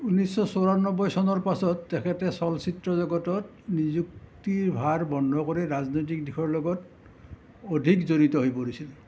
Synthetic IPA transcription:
unisɔsoɹanɔbɔjsɔnɔɹpasɔtːɛkʰɛtɛsɔlsitɹɔzɔɡɔtɔt | nizuk̚tiɹbʱaɹbɔndʱɔkoɹiɹaznojt̬ik̚dixʰɔɹlɔɡɔt | odʱikzoɹitɔɦojpoɹisil

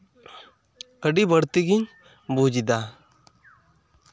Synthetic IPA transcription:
əɖibəɽt̪iɡiɲ | boːd͡ʒid̪a

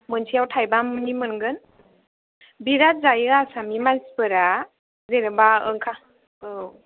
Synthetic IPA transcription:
mɯntʰijawtʰajbamɯnimɯnɡɯn | biɾat̚zajasamimaspɯɾa | zeɾɯbaɯ̰ŋkʰa | ɯ

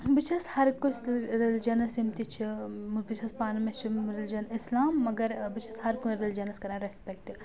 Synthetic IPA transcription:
bit͡ʃʰɐshɐɾkut͡ʃɾelid͡ʒɐnɐsimt̪it͡ʃʰimbit͡ʃʰɐspaːnɐmest͡ʃʰiɾelid͡ʒɐnislaːmːɐɡɐɾbit͡ʃʰɐshɐɾkunɾeld͡ʒɐnɐskɐɾãːɾespek̚ʈi

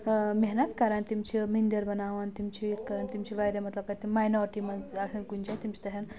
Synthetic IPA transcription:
meɦnat̪kaɾəɳt̪imt͡ɕemind̪əɾbənaʋant̪imt͡ɕikaɾəɳt̪imt͡ɕiʋajɾjemɐt̪ləkaɾt̪imajnɔɾʈiməd͡zasənkund͡ʑat̪imt͡ɕi̥t̪əɦjan

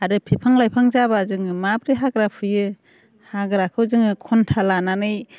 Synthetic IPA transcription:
aɾɯpʰipʰaŋlajpʰaŋzabazɯŋɯmabɾiɦaɡɾapʰɯjɯ | haɡɾakʰɯwzɯŋɯkʰɔntʰalananɯj

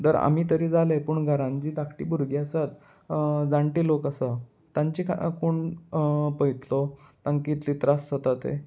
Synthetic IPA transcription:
t̪əɾa̰m̤iːt̪əɾiːd͡zalepuːɳɡʱəɾãɲd͡ʑiːd̪akʰʈḭbuɾɡjasat̪ | d͡zaɳʈiːlokəsa | t̪ãɲt͡ɕikkoɳ | pəjt̪lɔt̪aŋkit̪liːt̪ɾasːət̪at̪ḛ

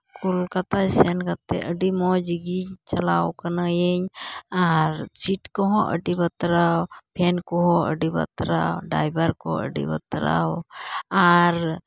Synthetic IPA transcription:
kʰulkat̪ajsɛnkat̪ɛ̰ʔəɖimɔd͡ʒiɡiɲt͡ʃalawkənajəɲaɾt͡ʃiʈkɔɦɔ̃ʔə̰ɖibət̪ɾawpʰɛnkɔɦɔ̃ʔə̰ɖibə̰t̪ɾa̰wɖa̰jbəɾkɔ̰ə̰ɖḭbə̰t̪ɾa̰waɾ

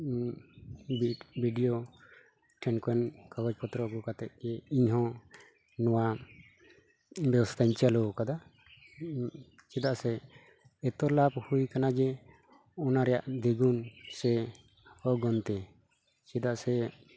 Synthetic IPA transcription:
bbiɖijo | ʈʰɛnkɔɛnkaɡɔd͡ʒpɔt̪ɾɔɡɔkat̪ɛt̪̚d͡ʒɛiɲɦɔ̃ | nɔwa | bɛwɔst̪ʰaɲt͡ʃalɔkad̪a | t͡ʃɛd̪aʔsɛː | t̪ɔlab̚hujkanad͡ʒɛ | ɔnaɾɛja̰ʔd̪eɡunsɛ | ɔɡɔnt̪ɛ | t͡ʃɛd̪aʔsɛ

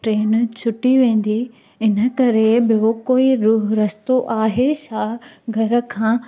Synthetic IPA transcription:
ʈɾeːnt͡ɕʰʊʈiʋẽːn̆d̪i | ɪnə̆kɐɾebɪokoːiɾuːɦɾɐst̪oʔaːɦeʃaːɦɡʱɐɾə̆kʰãː

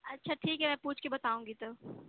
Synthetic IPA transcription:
ɐtːʃʰaʈʰiːkɦɛmɛ̃puːt͡ʃʰkebɐt̪aːũːŋɡit̪o

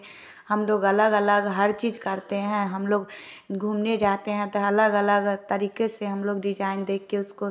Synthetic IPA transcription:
həmloːɡələɡələɡɦəɾt͡ʃiːd͡ʒkəɾt̪eɦɛ̃ɦəmloːɡ | ɡʱuːmned͡ʒaːt̪eɦɛ̃t̪oɐləɡələɡt̪əɾiːkeseɦəmloːɡɖɪd͡ʒaːɪnd̪eːkʰːeʊsko

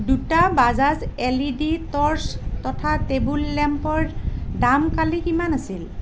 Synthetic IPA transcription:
dutabazazeliditɔɹstɔtʰatebulːɛmpɔɹdamkalikimanasil

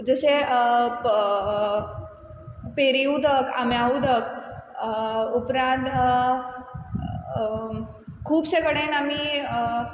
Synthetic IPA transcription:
d͡zəɕe | peɾiud̪əkʰa̰mjaud̪ək | upɾãnt̪ | kʰuːpɕekəɽenam̤i

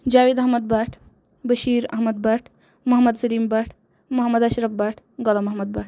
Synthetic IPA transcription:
d͡ʒaːʋid̪ɐɦmɐd̪̚baːʈʰ | bɐʃiːɾɐ̰ɦmɐd̪̚baʈʰ | mɐɦmɐd̪sɐliːmbaːʈʰ | mɐɦɐmːɐd̪ɐʃɾɐbbaʈʰ | ɡɔlɐmɐɦmɐd̪̚baːʈʰ

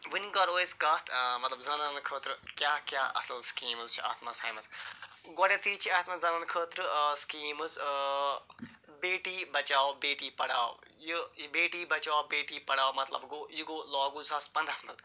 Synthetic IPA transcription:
ʋɨnɡɐɾoːiskɐt̪ʰmɐt̪lɐbzɐnɐnkʰəːt̪ɾkjaːkʲjaːɐ̰sɐlskiːmɨzt͡ʃʰia̰ːt̪maːsa̰ːjmɐzɡoːɽet̪ʰiːt͡ʃʰiaːt̪mazɐnɐnkʰəːt̪ɾskiːmɨz | beːʈiːbɐt͡ʃaːobeːʈiːpɐɽa̰ːo̰jubeːʈiːbɐt͡ʃaːobeːʈiːpɐɽaːomɐt̪lɐ̰bɡoːjiɡoːlɔːɡuzaspɐ̃nd̪asmɐ̰l

